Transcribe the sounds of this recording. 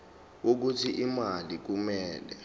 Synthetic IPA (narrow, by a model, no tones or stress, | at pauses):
wok̬utʰiʔimalik̬umɛːlɛ